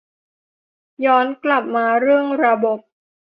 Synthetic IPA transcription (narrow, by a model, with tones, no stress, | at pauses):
jɔː˦˥nkla˨˩p̚maː˧ɾɯ˥˩əŋɾa˧bo˨˩p̚